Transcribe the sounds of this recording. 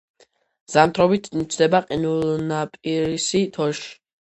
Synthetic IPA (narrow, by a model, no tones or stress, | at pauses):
z̥amt̪ʰɾɔbit̪ʰnit͡ʃʰd̪ɛbaqʼinulˠnapʼiɾisit̪ʰɔʃi̥